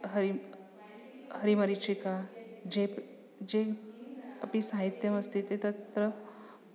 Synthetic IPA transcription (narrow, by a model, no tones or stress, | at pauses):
ɦɐɾi | hɐɾimɐɾit͡ʃikad͡ʒe | d͡ʒe | ɐpisaɦit̪jɐmɐst̪ʰit̪et̪ɐt̪ɾə